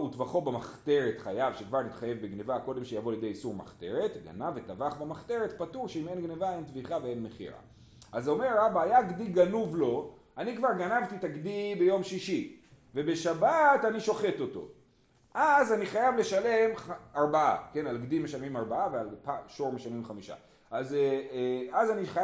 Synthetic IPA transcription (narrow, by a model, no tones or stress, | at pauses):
utvaχo̞bemaχte̞ʁe̞t̪χajavʃekvaʁnit̪χajevbeɡnevako̞de̞mʃejavo̞ljed̪ejisuʁma̰χt̪e̞ʁe̞t̪ɡa̰navet̪avaχbemaχt̪e̞ʁet̪patuʁʃeime̞nɡnevae̞ntviχavee̞nme̞χḭʁa̰ | ʔazeome̞ʁːabaːjaɡdiɡanuvlo̞ | anikvaʁɡanavt̪it̪aɡdibe̞jo̞mʃiʃi | ve̞be̞ʃabataniʃo̞χe̞to̞to̞̰ | ʔazaniχajavle̞ʃale̞mχaʁbaa̰ke̞nalɡdimeʃamimaʁbaavealpaʃoʁmeʃamimχamiʃa̰ | ʔaz | azaniχa